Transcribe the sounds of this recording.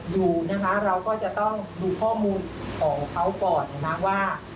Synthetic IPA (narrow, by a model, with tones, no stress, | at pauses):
juː˨˩na˦˥kʰa˦˥ɾa˧wkɔː˥˩t͡ɕa˨˩ʔt̪ɔ˥˩ŋduː˧kʰɔː˥˩muː˧nkʰɔː˩˦ŋkʰa˦˥wkɔː˨˩n̚ːa˧˩na˦˥waː˥˩